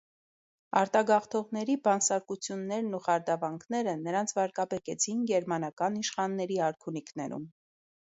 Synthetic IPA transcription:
ɑɾt̪ɑɡɑχt̪ʰɔʁnɛɾibɑnsɑɾkut͡sʰjunːɛɾnuχɑɾd̪ɑvɑŋkʰnɛɾənəɾɑnt͡sʰvɑɾkɑbɛkɛt͡sʰinɡɛɾmɑnɑkɑniʃχɑnːɛɾiɑɾkʰuniknɛɾṵm

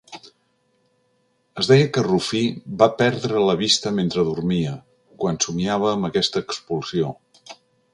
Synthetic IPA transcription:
əzdɛjəkərufibapɛɾðɾələβist̪əment̪ɾəðurmiə | kwansumiaβ̞əːmbəkɛst̪əːkspulˠsio

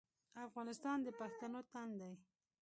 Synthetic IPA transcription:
afɣɑnɪst̪ɑnd̪əpaxt̪anot̪and̪aj

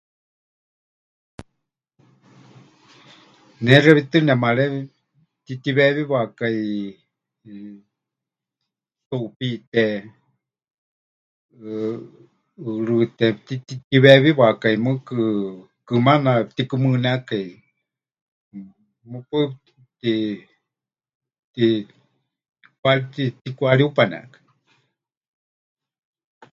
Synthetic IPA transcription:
nɛrɛβit̪ɨnɛmaɺɛ | t̪it̪iβɛβiβakai | suʔpit̪ɛ | ɨɺɨt̪ɛt̪it̪it̪iβɛβiβakaimɨkɨ | kɨmanapt̪ikɨmɨnakai | mɨpɨ | t̪i | t̪i | kwaɾit̪it̪ikʷaɺiupanɛa̰kḁ

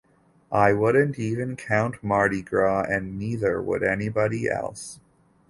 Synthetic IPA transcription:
ʔaɪwʊdⁿn̩tivɨ̃nkʰãʊ̃nʔmɑɹɾiɡɹɔɨ̃nːiðə˞wə̰ɾɛnibɑɾiʔɛ̰lˠs

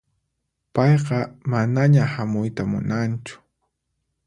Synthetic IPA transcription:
pɑjqɑmanaɲahamʊjt̪amʊ̰nant͡ʃʊ̥

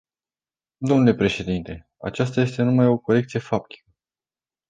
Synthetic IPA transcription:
d̪o̞mnule̞pɾe̞ʃe̞d̪int̪e̞ | a̰t͡ʃast̪aje̞st̪e̞numajo̞ko̞ɾe̞k̚t̪sije̞fap̚t̪i̥kə

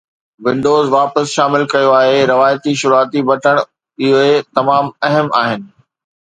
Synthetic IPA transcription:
ʋɪ̃ɳɖoːzʋaːpəsʃaːmɪlkɐjoaːɦeɾɐʋaːjət̪iʃʊɾuaːt̪ibɐʈʰəɽ̃ | ɪɦoet̪ɐmaːmɐɦəmaːɦɪnɪ̆

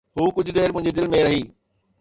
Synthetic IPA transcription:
ɦuːkʊd͡ʑʱʊ̆d̪eːɾmʊ̃ɪ̃ɲd͡ʑed̪ɪlmẽɾɐɦiː

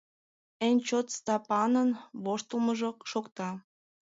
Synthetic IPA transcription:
enʲt͡ɕot̪st̪ɑpɑnənβoʃt̪əlməʒokʃokt̪ɑ

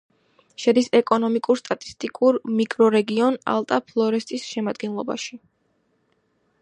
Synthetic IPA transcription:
ʃɛd̪isɛkʼɔnɔmikʼuɾst̪ʼat̪ʼi̥st̪ʼikʼuɾmikʼɾɔɾɛɡiɔna̰lˠt̪ʼapʰlˠɔɾɛst̪ʼisʃɛmad̪ɡɛnlˠɔba̰ʃi

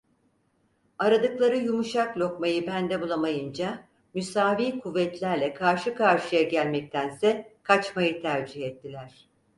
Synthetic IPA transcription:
aɾad̪ɯklˠaɾɯjumuʃaklʲo̞kmajɯbænd̪ɛbulˠamajɯnd͡ʒa | mysaːviːkʰuvːɛt̪lʲæɾlʲɛkʰaɾʃɯkʰaɾʃɯjaɟælʲmɛc̚t̪ʰænsɛkʰat͡ʃmajɯt̪ʰæɾd͡ʒihɛt̪ʰːilʲæɾ̝̥

